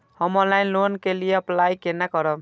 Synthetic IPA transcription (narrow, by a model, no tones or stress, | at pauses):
hʌmɔlajnlonkelijeʌplajkenakʌɾʌ